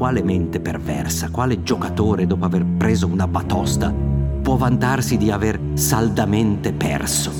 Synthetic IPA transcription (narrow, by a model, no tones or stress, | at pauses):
waːlement̪epervɛ̰rsakwaːled͡ʒokat̪oːɾed̪oːpoaverpɾeːzounabat̪ɔst̪apwɔvant̪arsid̪iaver | sald̪ament̪epɛ̰rso